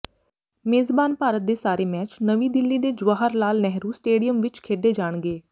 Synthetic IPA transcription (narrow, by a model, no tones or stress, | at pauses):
meːzbaːnpaːɾət̪̚d̪eːsaːɾeːmɛːt͡ʃnəʋiːd̪ɪlːiːd̪eːd͡ʒʊʋaːɦəɾlaːlnɛɦɾuːsʈeːɖijəmʋɪt͡ʃkʰeːɖeːd͡ʒaːɳ̃ɡeː